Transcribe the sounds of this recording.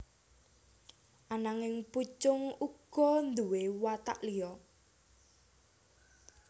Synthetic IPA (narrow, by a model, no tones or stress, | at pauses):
ʔanaŋɪŋput͡ʃʊŋuɡ̥ɔ̤nd̪uwewat̪a̰ʔlijɔ